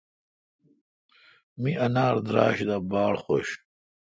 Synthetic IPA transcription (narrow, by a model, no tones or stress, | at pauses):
miʔɐnaːɾd̪ɾa̰ːɕd̪abaːɽχo̰ɕ